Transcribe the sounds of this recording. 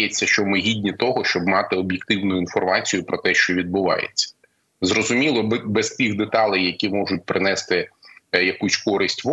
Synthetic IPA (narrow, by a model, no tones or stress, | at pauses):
jɛt͡sʲːɐʃt͡ʃɔmɪɦʲidʲnʲit̪ɔɦɔʃt͡ʃɔbmɑt̪ɪɔbʲjek̚t̪ɪwnʊjʊin̪fɔrmɑt͡sʲijʊpɾɔt̪ɛʃt͡ʃɔʋʲid̪̚bʊʋɑ̰jḛt͡sʲːɐ̥ | zɾɔzʊmʲilˠɔbɛst̪ixd̪et̪ɑlʲˠɛjːɐkʲimɔʒʊtʲpɾɪnɛst̪ɪjɐkusʲkɔɾɪsʲtʲʋɔ